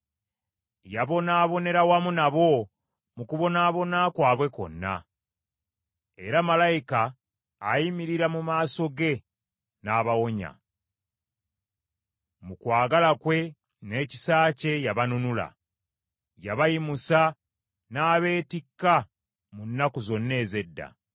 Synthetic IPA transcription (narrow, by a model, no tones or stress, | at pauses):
jaβo̞naːβo̞ne̞ɾawamunaβo̞ | mukuβo̞naːβo̞nakwaːβwe̞ko̞̰nːa̰ | e̞̰ɾamalajikaː | jimiɾiɾamumaːso̞ɡe̞ | naːβawo̞ɲa̰ | mukwaːɡalakwe̞ | ne̞ːci̥saːce̞jaβanunula̰ | jaβajimusa | naːβe̞ːtikːa | munːakuzo̞nːe̞ːze̞dːa̰